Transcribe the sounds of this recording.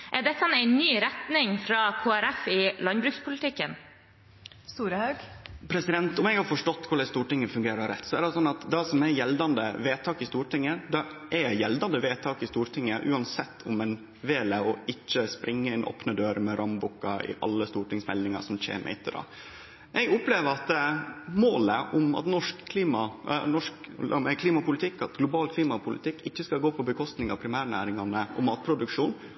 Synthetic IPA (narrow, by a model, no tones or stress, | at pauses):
ʔæɖɛt̪ʰːɑnæɪnyːɾɛt̪nɪŋfɾɑkʰoːæɾɛfɪlɑnbɾʉːkspʰʊlɪt̪ʰɪkːən | st̪uːɾəhɑʉɡ̥pʰɾɛsɪd̪ɛnt̪ʊmɛɡhɑɾfɔʂʈɔt̪ːkʰʊɭɛst̪uːʈɪŋːəfʉŋɡeːɾɑɾɛt̪ːsɔæɖɛsɔnːɑt̪d̪ɑsɔmɛjɛld̪ɑnd̪əʋeːt̪ʰɑːkɪst̪uːʈɪŋːəd̪ɑʔɛjɛld̪ɑnd̪əʋeːt̪ʰɑːkɪst̪uːɾʈʰɪŋːəʔʉ̰ːɑnsɛt̪ʰːʊmɛn | ʋeːləɔɪçːəspɾɪŋːəɪnʔo̰ːpnəd̪øːɾəmɛɾʔɑmbʊkːɑɪ̰ʔɑ̰lːəst̪uːʈɪŋsmɛ̰lnɪŋɑ̰ʂɔmçḛːmʔɪt̪ʰːəɾɑ̰ː | ʔɛɡʊpleːʋəɾɑt̪moːləʔʊmɑ̰t̪nɔʂkʰːliːmɑnɔʂk̪mɛkʰliːmɑpʊlɪt̪ʰɪkːɑt̪ɡlʊbɑːlkʰliːmɑpʰʊlɪ̰t̪ʰɪkːɪçːəskɑlɡoːpʰɔbəkʰɔst̪nɪŋɑ̰pʰɾɪmæːɾɳæ̰ːɾɪŋɑnəʔɔ̰mɑːt̪̚pʰɾʊd̪ʉkʂuːn